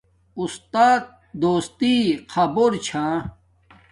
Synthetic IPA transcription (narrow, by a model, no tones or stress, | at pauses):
ust̪aːt̪̚ | d̪oːst̪iqʰɐboɾt͡ɕʰãː